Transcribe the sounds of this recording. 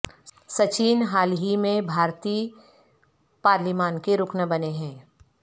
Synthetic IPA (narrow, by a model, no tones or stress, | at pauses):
sɐt͡ʃiːnɦaːlɦimẽbʱaːɾt̪iː | paːɾlɪmaːnkeɾʊknəbɐneɦɛ̃ː